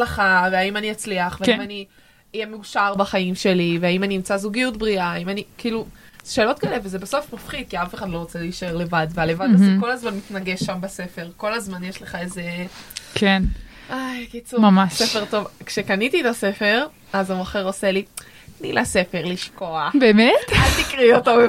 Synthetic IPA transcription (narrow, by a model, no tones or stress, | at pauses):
leχaveaimaniat͡sliaχveaimani | ijemeuʃaʁbaχaimʃe̞liveaimaniimt͡sazuɡijut̪bʁiaːimanikiːluz̥ʃe̞ːlo̞t̪̚kaelevezebaso̞fmafχid̪̚kiafeχadlo̞ʁot͡seliʃaeʁle̞vad̪vealevadazko̞lazmanmit̪naɡe̞ʃːambase̞fe̞ʁko̞lazmanjeʃleχaezekʰen | ʔajkit͡sumamasefe̞ʁt̪o̞vkʃekanit̪ietase̞fe̞ʁ | azamoχeʁose̞li | nilase̞fe̞ʁliʃko̞abeːmetalt̪ikʁioto